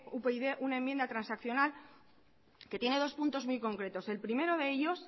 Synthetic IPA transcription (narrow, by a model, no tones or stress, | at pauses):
upeiðe̞ʔunaemːje̞nd̪at̪ɾansakθjo̞nal | ke̞t̪je̞ne̞ð̞o̞spunt̪o̞zmujko̞ŋkɾe̞t̪o̞se̞lpɾime̞ɾoðe̞eʎo̞s